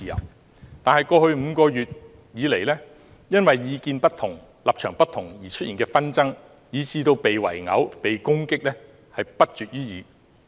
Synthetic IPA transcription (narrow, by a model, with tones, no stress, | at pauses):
jɐ̰˨˩w | t̪aː˨nɦɐ˨jkɔː˧hɵ˧ɥm̩˨˧kɔː˧jyː˨t̚ | jiː˨˥le˨˩jlɛː˥ | jɐ˥nwɐ˨jːiː˨˧kiː˧npɐ˥t̚t̪ʰʊ˨˩ŋ | laː˨p̚t͡ʃʰœː˨˩ŋpɐ˥t̪ʰʊ˨˩ŋjiː˨˩t͡ʃʰɵ˥t̚ʔiː˨˩nkɛː˧fɐ˥nt͡sɐ˥ŋ | jiː˨˧t͡siː˧t̪o˧wpe˨jwɐ̰˨˩jŋɐ̰˨˥wpe˨jkʊ˥ŋkɪ˥k̚lɛː˥ | hɐ˨jpɐ˥t̚t͡ʃyː˨t̚jyː˥jiː˨˧